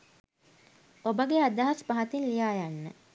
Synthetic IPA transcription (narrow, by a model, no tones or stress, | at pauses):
obəɡead̪aɦaspaɦat̪inlijaːjanːə